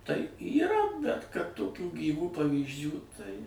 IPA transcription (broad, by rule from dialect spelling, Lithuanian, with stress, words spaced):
tɐɪ iːˈrɐ bʲɛt kɐt toːˈkʲuː ɡʲiːˈʋuː pɐʋʲiːzʲˈd͡ʒʲuː tɐɪ